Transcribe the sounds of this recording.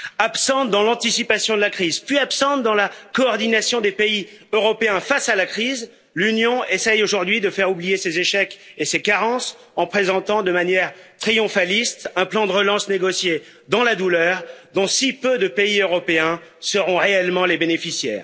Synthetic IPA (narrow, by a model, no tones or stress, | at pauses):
apsɑ̃t̪d̪ɑ̃lɑ̃t̪isipasjɔ̃d̪əlakχizpɥiapsɑ̃t̪̚d̪ɑ̃lakɔːʁd̪inasjɔ̃d̪epei | øʁɔpeɛ̃fasalakχiz | lynjɔ̃esɛjoʒuʁd̪ɥid̪əfɛʁublijesezeʃɛkesekaʁɑ̃s | ɑ̃pχezɑ̃t̪ɑ̃d̪əmanjɛʁt̪χijɔ̃falist̪ɛ̃plɑ̃d̪əʁəlɑ̃sneɡɔsje | d̪ɑ̃lad̪ulœːʁd̪ɔ̃sipød̪əpeiøʁɔpeɛ̃səʁɔ̃ʁeɛlmɑ̃lebenefisjɛ̰ːʁ